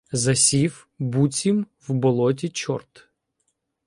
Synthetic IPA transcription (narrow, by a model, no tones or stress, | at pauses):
zɐsʲiw | but͡sʲim | wbɔlˠɔt̬ʲit͡ʃɔ̰rt̪